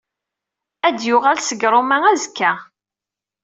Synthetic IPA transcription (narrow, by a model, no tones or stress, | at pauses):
æd̪jʊʁælsəɡɾˤomæŋæzkːæ